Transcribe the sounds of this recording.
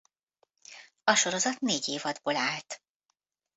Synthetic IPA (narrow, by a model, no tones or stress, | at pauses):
ɒʃo̞ɾo̞zɒt̪neːɟeːvɒd̪boːlaːlt̪